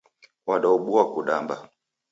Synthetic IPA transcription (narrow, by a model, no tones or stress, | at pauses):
waɗauɓuakuɗamba